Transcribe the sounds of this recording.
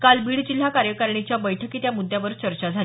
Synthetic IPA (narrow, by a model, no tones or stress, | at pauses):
kalbiːɽd͡ʑil̤ːakaɾjəkaɾɳit͡ɕjabəjʈʰəkiːt̪jamud̪ʱːjaʋəɾt͡ɕəɾt͡ɕad͡zʱal